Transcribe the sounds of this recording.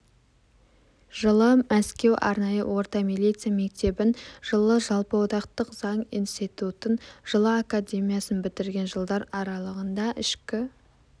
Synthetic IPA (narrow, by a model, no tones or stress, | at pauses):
ʒəlˠəmæskʲe̞wʔɑ̰ɾnɑjə̰wo̞ɾt̪ɑmilʲit̪sɨjame̞k̚t̪e̞bɪnʒ̥əlˠəʒɑlˠpəwot̪ɑqt̪əqzɑɴijnst̪it̪ut̪ənʒ̥əlˠəakad̪ʲe̞mijasənbɪt̪ɪɾɡʲe̞nʒəlˠd̪ɑɾɑɾɑlˠəʁənd̪ɑʔɪʃkʲɪ